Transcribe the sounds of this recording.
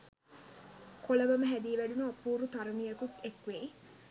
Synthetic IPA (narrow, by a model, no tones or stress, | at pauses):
koləʋəməɦæd̪iːʋæɖunoːpuːɾut̪aɾumijəkukekʋei